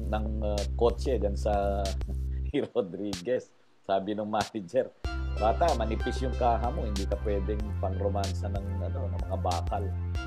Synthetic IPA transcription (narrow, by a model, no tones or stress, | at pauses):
nɐŋko̞t͡ʃɛd͡ʒɐnsɐ | ɾod̪ɾiːɡɛsː | aːbɪnoŋmaːnɐd͡ʒɛɾbaːt̪amɐnɪpisjʊŋkaːɦɐmo̞hɪnd̪iːkɐpwɛːd̪ɛŋpɐŋɾomansɐnɐŋɐno̞nɐmɐŋabaːkɐl